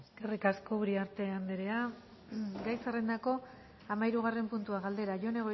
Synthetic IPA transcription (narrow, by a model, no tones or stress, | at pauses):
eske̞rikaskouɾiaɾt̪e̞and̪eɾe̞a | ɡajserend̪ako̞ | amaiɾuɣ̞are̞mpunt̪uaɣald̪e̞ɾaʝo̞ne̞ɣ̞o